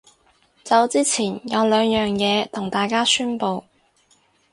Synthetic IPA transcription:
t͡sɐ˨˧wt͡siː˥t͡sʰiː˨˩njɐ˨˧wlœː˨˧ŋjœː˨ŋjɛː˨˧t̪ʰʊ˨˩ŋt̪aː˨˩jkaː˥syː˥npo˨˧w

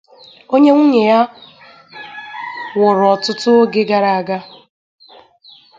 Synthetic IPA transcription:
o˦ɲe˦ŋʷu˦ɲe˨ja˦ | wʊ˨ɾɔ˨tʊ˦tʊ˦o˦ɡe˦ɡa˨ɾa˨a˨ɡa˦

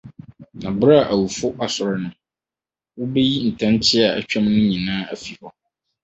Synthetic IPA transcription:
nã˨bɾa˦˨ʔæ˨wu˨fʊ˦ʔa˨sʊ˨ɾɪ˦nʊ̃˦ | wʊ˦be˦ji˦n̩˨tʰã˦ntʰɪ˦a˨æ̰˨t͡ɕᶣa˦m˦nʊ̃˦ɲĩ˨nãː˦æ˦˨fi˨hɔ˦

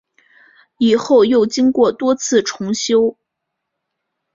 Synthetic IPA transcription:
i˨˩xo˥˧ʊjo˥˩ʊt͡ɕi˥ŋkwɔ˥˩t̪wɔ˥t͡sʰɹ̩˥˩ʈ͡ʂʰʊ˧˥ŋɕjo˥ʊ

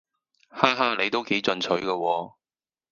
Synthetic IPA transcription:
haː˥ɦaː˥nle˨˧jt̪o˥wke˨˥jt͡sɵ˧nt͡sʰɵ˨˧˥ɥkɐː˧wɔː˧

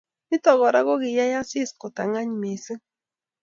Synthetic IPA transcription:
ni˦tɔ˨ɣɔ˨ɾa˦ɣo˦ɣi˨ja˦ja˦si˦sko˨ta˨ŋa˦ɲi˨me˨sɨ˦

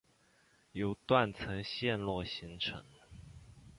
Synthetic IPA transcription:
jo˧˥ʊt̪wa˥˩nt͡sʰɤ˧˥ŋɕjɛ˥˧nlwɔ˥˩ɕi˧˥ŋʈ͡ʂʰɤ̰˧˥ŋ

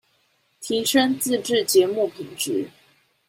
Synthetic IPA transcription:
t̪ʰi˧˥ʂə˥ŋt͡sɹ̩˥˧ʈ͡ʂɻ̩˥˨t͡ɕjɛ˨˥˦mu˥˩pʰi˨˩ŋʈ͡ʂɻ̩˧˦

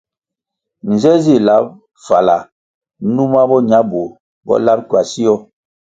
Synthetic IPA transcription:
n̩˨zɛ˦zi˦˨la˦p̚ | fa̰˨la˨˦ | nu˦ma˦bɔ˦ɲa˦bu˨ | bɔ̰˦la˦p̚kwa˨si˦jɔ˦

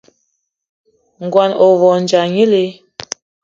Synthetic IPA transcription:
ŋ̩˨ɡwa˨nɔ˨vɔ˨n˨d͡ʒa˨ɲi˦le˦

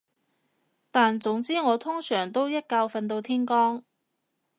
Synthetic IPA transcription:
t̪aː˨nt͡sʊ˨˥ŋt͡siː˥ŋɔː˨˧t̪ʰʊ˥ŋsœː˨˩ŋt̪o˥wjɐ˥t̚kaː˧wfɐ˧nt̪̬o˧wt̪ʰiː˥nkɔː˥ŋ

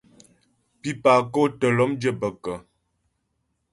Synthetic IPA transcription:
pi˦pa˨ko˦tə˨lɔ˦md͡ʒə˦bə˨kə˨

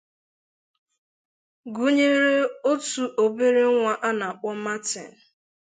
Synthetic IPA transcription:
ɡu˦ɲe˦ɾe˦o˦tu˨ʔo˨be˦ɾe˦ŋʷa˦ʔa˦na˨a˨k͡pʊ˦ma˦tḛ˨

